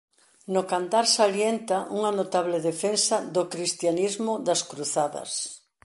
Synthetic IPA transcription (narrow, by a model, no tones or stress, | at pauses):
nʊkant̪aɾsaljent̪aʔuŋanot̪aβleðefensaðokɾist̪janizmʊðaskɾuθaðɐ̰s